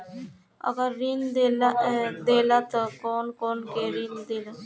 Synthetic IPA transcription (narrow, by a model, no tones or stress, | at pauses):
ɐ̰ɡəɾːind̪elad̪eːlat̪okoːnkoːnkeɾind̪eːla